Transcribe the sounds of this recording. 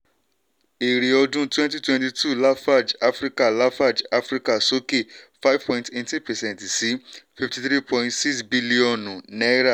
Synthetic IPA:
e˨ɾe˨ɔ˧dũ˦twɛ̃˦nti˦twɛ̃˦nti˧tʰu˦˨la˦fa˦˨d͡ʒa˦fɾi˦ka˦˨la˦fa˦˨d͡ʒa˦fɾi˦ka˦˨so˦ke˦˨fa˦jvpɔ̃˧ĩnte˦nti˦pɛ˨sɛ̃˦ntsi˨˦fi˦fti˧θɾi˦pʰɔ̃˧ĩntsi˦ksbi˦li˦ɔ̃˦˨nũ˨nɛ˦ɾa˦˨

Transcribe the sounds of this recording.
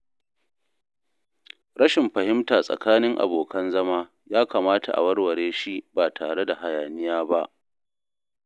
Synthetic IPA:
ɾɐ˦ʃɪ˨mɸɐ˨hɪ˦mtaː˨sʼɐ̰˨kaː˦nɪ˦ŋʔa̰˨boː˨kɐ˦nzɐ˦maː˦ | jaː˦ka˨maː˦tʰa̰˨ʔa̰˨wɐ˦rwɐ˨ɽeː˦ʃi˦baː˨tʰaː˨ɽe˦da˨ha˨jaː˨nɪ˦jaː˦ba˦ʔ

